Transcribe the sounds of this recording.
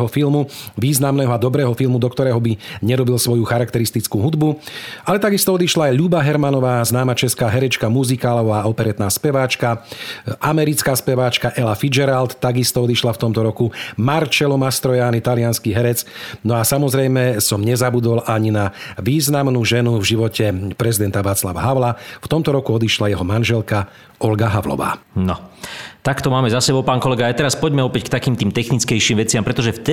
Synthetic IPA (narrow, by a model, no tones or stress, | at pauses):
ɦɔfilmuʋiːznamnɛːɦɔad̪ɔbɾɛːɦɔfilmud̪ɔkt̪ɔɾɛːɦɔbiɲɛɾɔbilsʋɔjuxaɾakt̪ɛɾist̪it͡skuːɦud̪bualɛt̪aɡist̪ɔɔd̪iʃlaːjʎubaɦɛɾmanɔʋaːznaːmat͡ʃɛskaːɦɛɾɛt͡ʃkamuzikaːlɔʊaːɔpɛɾɛt̪naːspɛʋaːt͡ʃkaʔamɛɾit͡skaːspɛʋaːt͡ʃkaʔɛlafid͡ʒɛɾalt̪ːaɡist̪ɔɔd̪iʃlaft̪ɔmt̪ɔɾɔkumaɾt͡ʃɛlɔmast̪ɾɔjaːnit̪alɪanskiɦɛɾɛt͡snɔasamɔzɾɛjmɛsɔmɲɛzabud̪ɔlʔaɲinaʋiːznamnuːʒɛnuvʒiʋɔcɛpɾɛzid̪ɛnt̪aʋaːt͡slaʋa̰ɦaʊlaft̪ɔmt̪ɔɾɔkuɔd̪iʃlajɛɦɔmanʒɛlka | ɔlɡaɦaʋlɔ̰ʋa̰ːnɔt̪akt̪ɔmaːmɛzasɛbɔʊpaːnkɔlɛɡaːjt̪ɛɾaspɔɟmɛɔpɛckt̪akiːmt̪iːmt̪ɛxnit͡skɛjʃiːmʋɛt͡sɪampɾɛt̪ɔʒɛft̪